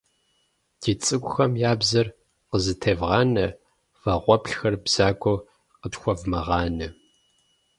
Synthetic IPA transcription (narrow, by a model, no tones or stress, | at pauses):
d̥ʰiːt͡sʼɨɡʷʊxɐmjaːbzɐr | qəzɨtʰɐːvʁɑːnɐ | v̥ɐʁʷɔpɬxɐrbz̥aːɡʷʼɔw | qətxʷɔvmɐʁɑːnɐ